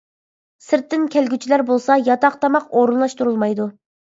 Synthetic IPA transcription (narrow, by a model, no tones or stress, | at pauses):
sɪɾt̪ːɪnkʲʰɛlɡʲyt͡ʃʰilæɾbolˠsɑjɑt̪ɑqt̪ʰɑmɑqoɾunlˠɑʃt̪uɾulˠmɑjd̪u